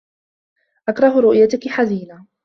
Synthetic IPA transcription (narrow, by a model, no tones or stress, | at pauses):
ʔakɾˤɑɦʊɾʊʔjat̪ʊkɪħaziːna